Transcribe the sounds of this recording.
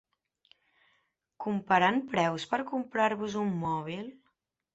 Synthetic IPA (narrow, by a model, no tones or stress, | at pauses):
kumpəɾanpɾɛwspəɾkumpɾaɾβuzumːɔβ̞ilˠ